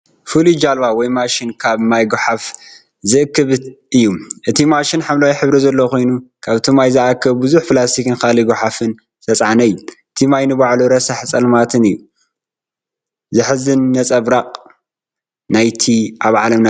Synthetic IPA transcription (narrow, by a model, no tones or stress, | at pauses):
fɨlid͡ʒalβawɔjmaʃinkʰaβmajɡuħaf | zɨʔɨkːɨβʔɨjːuʔɨt̪ʰimaʃinħamlawjħɨβɾizɐlːɐkʰo̞jnukʰaβt̪ʰomajzɨʔakʰːɐβbɨzuħflast̪ʰikɨnkaliɡuħafɨn | sɐt͡sʼʕanɐjːuʔɨt̪ʰimajnɨbaʕluɾɐsɐħt͡sʼɐlmat̪ʰɨnɨjːu | zɨħɨzɨnːɐt͡sʼɐβɾaqʼ | najt̪ʰiʔaβʕa̰lɐmn